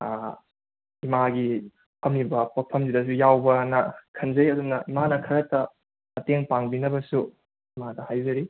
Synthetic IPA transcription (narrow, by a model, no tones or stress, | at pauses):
a | imaɡi | pʰɐmibɐpopʰɐmzidɐs̬ujawbɐnɐkʰɐnzɐjɐdumnɐimanɐkʰɐɾɐtɐ | ɐteŋpaŋbinɐbɐsu | imadɐhajzɐɾi